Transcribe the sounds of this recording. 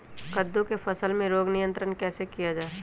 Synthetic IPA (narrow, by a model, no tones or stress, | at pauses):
kəd̪ːõkefʰɐsəlmẽɾoːɡnɪjə̃nt̪ɾənkɛːsekijad͡ʒaːe